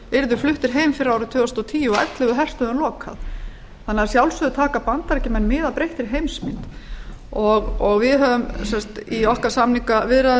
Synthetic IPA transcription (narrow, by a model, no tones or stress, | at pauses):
ɪɾðʏ̥flʏht̪ɪɾ̥ɦeːjmfɪɾaːwɾʏt̪ʰʏːɔst̪ɔt̪ʰiːjuɔɛ̰t̪lɪɣʏɦɛr̥t̪ʏðʏnlɔːkʰa̰ð | θanːaɾsjawlsʏðʏt̪ʰaːkapant̪aɾcɪmɛnːmɪːðapɾejht̪ɪɾ̥ɦejmsmɪnt̪ | ɔɣɔɣvɪðɦœvʏmsɛnst̪iɔhkaɾ̥samliŋkavɪɾa